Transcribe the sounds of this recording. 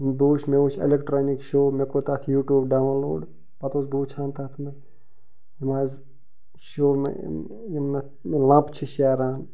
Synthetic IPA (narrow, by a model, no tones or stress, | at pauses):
buːt͡ʃʰmeut͡ʃʰḛlekʈɾaːnikʃoːmekot̪aːt̪ʰjuːʈjuːbɖaːwlo̰ːɖ | pɐt̪osbuːt͡ʃʰãːnt̪aːt̪ʰme | imaːz | ʃoːmḛ | jimːe | mlãːpt͡ʃʰiʃaːɾaːn